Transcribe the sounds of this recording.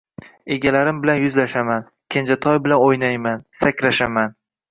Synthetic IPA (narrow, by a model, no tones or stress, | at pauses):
e̞ɡʲalaɾɪmbɪlanjʊzlaʃaman | kʲʰend͡ʒat̪ʰɒjbɪlanojnajmansakʲɾaʃaman